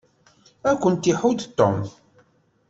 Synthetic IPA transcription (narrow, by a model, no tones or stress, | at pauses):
ækʷːənt̪ːiħud̪t̪ːɔ̰mθ